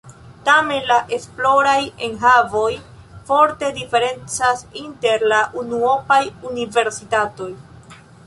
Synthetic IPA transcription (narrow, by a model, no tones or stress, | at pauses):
tame̞nlaʔe̞splo̞ɾaje̞nɦavo̞jfo̞ɾte̞dife̞ɾe̞nt͡sasinte̞ɾlaʔunuopajunive̞ɾsitato̞j